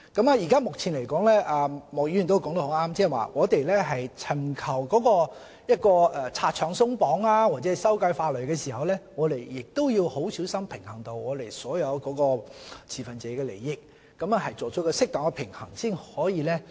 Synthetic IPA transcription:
kɐ˨˥maː˨ji˨˩kaː˥mʊ˨k̚t͡sʰiː˨˩nle˨˩jkɔː˨˥ŋlɛ˥ʔaː˧mɔː˨k̚ji˧˥jyː˨nt̪o˥kɔː˨˥ŋt̪o˧ho˨˧˥waː˥mt͡sɛː˥˨˩wa̰ː˨ŋɔː˨˧t̪e˨jlɛː˥ɦɐ˨jt͡sʰɐ˨˩mkʰɐ˨˩wkɔː˨˥kɔː˧ | jɐ˥t̚kɔː˧ɛ˨t͡sʰaː˧t̚t͡ʃʰœː˨˧ŋsʊ˥ŋpɔː˨˥ŋaː˧wa˨t̚t͡sɛː˨˦˥jsɐ˥wkɐ˧jfaː˧lɵ˨ɥjkɛː˧siː˨˩hɐ˨wlɛː˥ŋɔː˨˧t̪e˨˩jːɪ˨k̚t̪o˥wjiː˧who˨˥wsiː˨˥wsɐ˥mpʰɪ˨˩ŋhɐ˨˩ŋt̪o˧wŋɔː˨˧t̪e˨jsɔː˨˥jɐ˨˧wkɔː˨˥kɔː˧t͡sʰiː˨˩fɐ˨nt͡sɛː˨˥kɛː˧lḛ˨˩jːɪ˥k̚ː | ɐ˨˥mɐ˧ɦɐ˨jt͡sɔː˨t͡sʰɔ˨˥kɔː˧sɪ˥k̚t̪ɔː˨˥ŋkɛ˧pʰɪ˨˩ŋhɐ˨˩ŋsiː˥nhɔː˨˥jiː˨˧lɛː˥

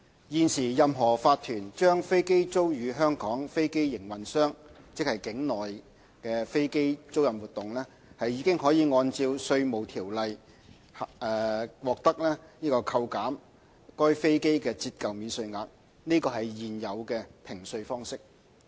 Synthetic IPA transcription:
jiː˨˧nsiː˨˩jɐ˨mɦɔː˨˩faː˧t̪ʰyː˨˩nt͡ʃœː˥ŋfe˥jke˥jt͡so˥wjyː˨˧ɦœː˥ŋkɔː˨˥ŋfe˥jke˥jjɪ˨˩ŋwɐ˨˩nsœː˥ŋt͡sɪ˥k̚hɐ˨˩jkɪ˨˥ŋnɔː˨˩j | kɛː˧fe˥jke˥jt͡so˥wjɐ˨mwuː˨t̪ʊ˨ŋlɛː˥ | hɐ˨jːiː˨˧kɪ˥ŋhɔː˨˥jiː˨˧ŋɔː˧nt͡siː˧wsɵ˧ɥmo˨˩wt̪ʰiː˨˩wlɐ˨j | ɛː˨˩wɔː˨k̚t̪ɐ˥k̚lɛː˥niː˥kɔː˧kʰɐ˧wkaː˨˥m | kɔː˥jfe˥jke˥jkɛː˧t͡siː˧t̚kɐ˨wmiː˨nsɵ˧ɥŋaː˨˧k̚ | niː˥kɔː˧ɦɐ˨jjiː˨njɐ˨˧wkɛː˧pʰɪ˨˩ŋsɵ˧ɥfɔː˥ŋsɪ˥k̚

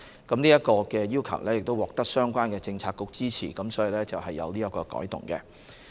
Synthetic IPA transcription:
kɐ˨˥mniː˥jɐ˥t̚kɔː˧kɛː˧jiː˥wkʰɐ˨˩wlɛ˥jɪ˨k̚t̪o˥wɔː˨k̚t̪ɐ˥k̚sœː˥ŋkʷaː˥nkɛː˧t͡sɪ˧ŋt͡sʰaː˧t̚kːʊ˧k̚t͡siː˥t͡sʰḭː˨˩kɐ˨˥msɔː˨˥ji˨˧lɛː˥t͡sɐ˨whɦɐ˨jːɐ̰˨˧wliː˥jɐ˥kːɔː˧kɔ̰ː˨˥jt̪ʊ̰˨˩ŋkɛ˧

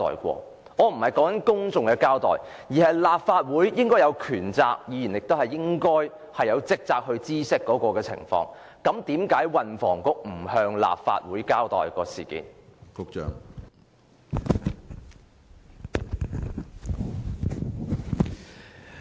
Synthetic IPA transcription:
t̪ɔ̰ː˨jkʷɔ̰ː˧ | ŋɔː˨˧m̩˨˩hɐ˨jkɔː˨˥ŋkɐ˨˥nkʊ˥ŋt͡sʊ˨ŋkɛ˧kaː˥wt̪ɔ̰ː˨j | jiː˨˩hɐ˨jlaː˨p̚faː˧t̚wuː˨˥jːɪ˥ŋkɔː˥jɐ˨˧wkʰyː˨˩nt͡sa̰ː˧k̚jiː˨˧ji˨˩njɪ˨k̚t̪o˥whɐ˨˩jːɪ˥ŋkɔː˥j | hɐ˨jːɐ˨˧wt͡sɪ˥k̚t͡saː˧k̚hɵ˧ɥt͡siː˥sɪ˥kːɔː˨˥kɔː˧kɛː˧t͡sʰɪ̰˨˩ŋfɔ̰ː˧ŋ | kɐ˨˥mt̪iː˨˥mkaː˨˥jwɐ˨nfɔː˨˩ŋkʊ˥k̚m̩˨˩hœː˧ŋla̰ː˨p̚fa̰ː˧t̚wuː˨˥jkaː˥wt̪ɔ̰ː˨jkɔː˧sḭː˨˩kḭː˨˥nkʊ˥k̚t͡ʃœ̰ː˨ŋ

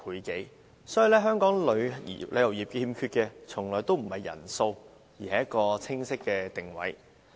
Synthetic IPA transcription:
pʰuː˨˧jke˨˥j | sɔː˨˥ji˨˧lɛː˥ɦœː˥ŋkɔː˨˥ŋlɵ˨˧ɥjḭ˨lɵ˨˧jɐ˨˩wjiː˨p̚kɛ˧˥hiː˧mkʰyː˧t̚kɛː˧t͡sʰʊ˨˩ŋlɔː˨˩jt̪o˥wm̩˨˩hɐ˨jːɐ̰˨˩nso˧w | jiː˨˩hɐ˨˦jɐ˥t̚kɔː˧t͡sʰɪ˥ŋsɪ˥kːɛː˧t̪ɪ˨˩ŋwɐ̰˨˥j

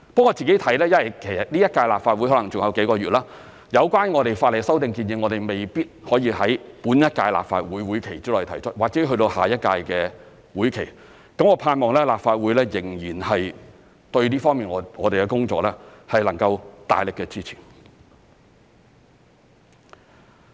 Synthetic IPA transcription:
pɐ˥ŋːɔː˨˧t͡siː˨ke˨˥jt̪ʰɐ˨˥jlɛː˥jɐ˥nwɐ˨˩jkʰe˨˩jɐ˨˩t̚liː˥jɐ˥t̚kaː˧jlaː˨pfa˧wjhɔ˨˥lɐ˨˩ŋt͡sʊ˨ŋjɐ˨˧wke˨˥jkɔː˧ɥyː˨t̚laː˥ | jɐ˨˧wkwaː˥nŋɔː˨˧ɾe˨jfaː˧t̚le˨˩sɐ˥wt̪ɪ˨˧ŋkiː˧njɪ˧ŋːɔː˨˧ɾe˨jme˨jpiː˥t̚hɔː˨˥jiː˧ɦɐ˨˥jpuː˨˥njɐ˥t̚kaː˧jla̰ː˨p̚fa̰ː˧t̚wuː˨˥jwuː˨˥jkʰe˨˩jt͡siː˥lːt̪ʰɐ˨˩jt͡ʃʰɵ˥t̚waː˨˩k̚t͡sɛ˨˥ɦɵ˧t̪o˧whaː˨jɐ˥t̚kaː˧jkɛː˧ | wuː˨˥jkʰe˨˩j | kɐ˨˥mɔː˨˧pʰaː˧nmɔː˨ŋlɛː˥laː˨p̚faː˧t̚wu˨˥jlɛː˥jɪ˨˩ŋjiː˨˩nhɐ˨j | t̪ɵ˧ɥliː˥fɔː˥ŋmiː˨˩nɔ˨˧ŋɔː˨˧ɾe˨jkɛ˧kʊ˥ŋt͡sɔː˧k̚lɛː˥hɐ˨˩jlɐ˨˩ŋkɐ˧wt̪a̰ː˨˩jlɪ˨kːɛː˧t͡siː˥t͡sʰiː˨˩

